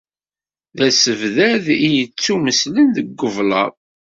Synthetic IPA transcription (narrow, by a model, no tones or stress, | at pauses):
ðæsəvðæðijət͡sːuməslənðəɡːəvlɑ̰ˤ